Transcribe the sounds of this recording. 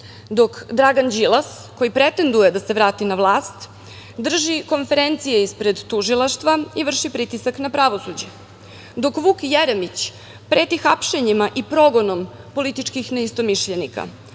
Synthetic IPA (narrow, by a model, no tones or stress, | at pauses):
d̪o̞kd̪ɾaɡand͡ʑilˠas | ko̞jipɾe̞t̪e̞nd̪ujed̪ase̞ʋɾaːt̪inaʋlˠaːst̪ | d̪r̩ʒiko̞nfe̞ɾent̪sije̞ispɾe̞d̪t̪uʒilˠaʃt̪ʋaiʋr̩ʃipɾit̪isaknapɾaʋo̞sud͡ʑe | d̪o̞kʋukjeɾemit͡ɕ | pɾet̪ixapʃeɲimaʔipɾo̞ɡonompo̞lit̪it͡ʃkixneist̪o̞miʃʎenika̰